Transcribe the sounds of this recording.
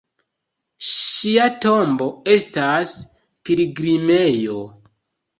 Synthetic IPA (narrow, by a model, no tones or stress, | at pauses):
ʃiato̞mbo̞e̞stas | piliɡɾime̞jo̞